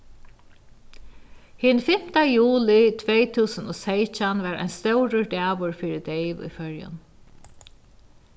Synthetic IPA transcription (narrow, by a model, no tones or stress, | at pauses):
hɪnfɪm̥t̪ajuːlɪt̪ʰʋejt̪ʰuːsənɔːsejt͡ʃanʋaɾa̰jnst̪œwɾəɹd̪ɛːʋʊɹfɪɾɪd̪ejʋʊ̰jfœɹjʊ̰n